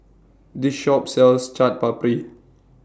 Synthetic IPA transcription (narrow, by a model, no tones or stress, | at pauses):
diʃɔp̚sɛlst͡ʃat̚papɹi